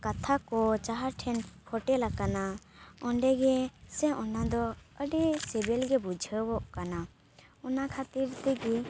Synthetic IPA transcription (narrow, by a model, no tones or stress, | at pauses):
kat̪ʰakɔt͡ʃaɦaɾʈʰɛnpʰɔʈɛlakana | ɔɳɖɛɡɛsɛ̃ɔnad̪ɔəɖisɛbɛlɡɛbud͡ʒʱəbɔʔkana | ɔnakʰat̪iɾt̪ɛɡi